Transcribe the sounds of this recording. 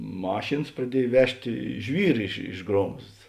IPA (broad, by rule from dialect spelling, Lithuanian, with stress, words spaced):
ˈmɑːʃʲeːns prɐˈdʲiɛj ˈʋʲæːʃʲtʲeː ˈʒʲʋʲiːr ɪʃ ɪʃ ˈɡroːmsts